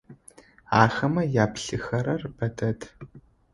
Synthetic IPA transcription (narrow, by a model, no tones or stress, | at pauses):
aːxɐmɐjaːpɬɨxɐɾɐrbɐdʰɐtʰ